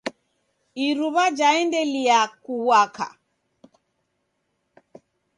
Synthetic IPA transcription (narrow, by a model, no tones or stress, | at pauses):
iɾuβad͡ʒaɛndɛliakuwwaka̰